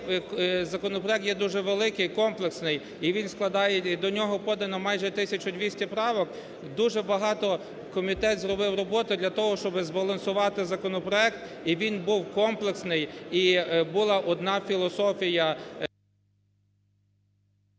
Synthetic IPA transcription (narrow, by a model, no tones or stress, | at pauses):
zɐkɔnɔpɾɔɛk̚t̪jɛd̪uʒɛʋelˠɪkɪjkɔmplˠeksnɪj | iʋʲinsklˠɐd̪ɑjɛid̪ɔnʲɔɦɔpɔd̪ɐnɔmɑjʒɛt̪ɪsʲɐt͡ʃʊd̪ʲʋʲisʲtʲɐpɾɑʋɔk | d̪uʒɛbɐɦɑt̪ɔ | kɔmʲit̪ɛt̪zɾɔbɪwrɔbɔt̪ʊd̪lʲɐt̪ɔɦɔʃt͡ʃɔbɪzbɐlˠɐnsʊʋɑt̪ɪzɐkɔnɔpɾɔɛk̚t̪iʋʲinbuwkɔmplˠeksnɪjibʊlˠɑʔɔd̪nɑfʲilˠɔsɔfʲijɐ